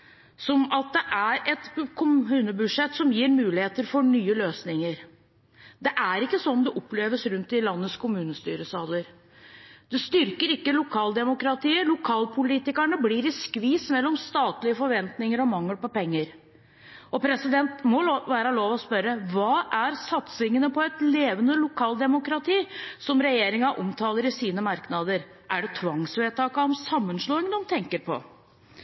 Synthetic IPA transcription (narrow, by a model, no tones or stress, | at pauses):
sɔmɑt̪̚d̪ɛʔæɾɛt̪kʰʊmʉːnəbʉd̪ʂɛt̪ːsɔmjiːɾmʉːlɪheːt̪əɾfɔɳyːəløːsnɪŋəɾ | d̪ɛʔæɾɪkːəsɔnɔmd̪ɛʔɔpːleːʋəsɾʉnt̪ɪlɑnːəskʰʊmʉːnəst̪yːɾəsɑːləɾ | d̪ɛst̪ʏɾkəɾɪkːəlʊkʰɑːld̪ɛmʊkɾɑt̪ʰiːəlʊkʰɑːlpʰʊliːt̪ɪkæɳəbliɾɪskʋiːsmɛlːɔmst̪ɑːt̪lɪəfɔɾʋɛnt̪nɪŋəɾɔmɑŋːəlpɔpɛŋːəɾ | ɔpʰɾɛsɪd̪ɛnt̪mɔʋæːɾɑloːʋɔspœɾəʋɑːʔæɾsɑt̪sɪŋənəpʰɔɛt̪leːʋənəlʊkʰɑːld̪ɛmʊkɾɑt̪ʰiːsɔmɾɛjeːɾɪŋɑʔɔmt̪ʰɑːləɾɪsiːnəmɑɾknɑd̪əɾ | ʔæɖɛt̪ʰʋɑŋsʋeːt̪ʰɑːkɑɔmsɑmːənʂɭoːɪŋənɔmt̪ʰɛŋkəɾpʰɔ̰